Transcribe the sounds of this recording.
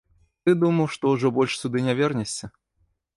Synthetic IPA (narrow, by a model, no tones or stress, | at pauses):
t̪ɨd̪umɐwʂt̪ɔwʐɔbɔlʲʂsʲud̪ɨnʲavʲɛrnʲɐsʲt͡sʲɐ